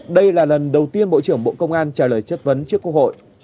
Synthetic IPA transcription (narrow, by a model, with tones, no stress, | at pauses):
ɗə˧jlaː˨˩lə˨˩nɗə˨˩wt̪i˧ənɓo̰˧˨t͡ɕɨ˧˩əŋɓo̰˧˨kə˧wŋ͡mʔaː˧nt͡ɕaː˧˩ləː˨˩jt͡ɕə˦˥t̚və˨˦nt͡ɕɨ˦˥əkːkho̰˧˨jʔ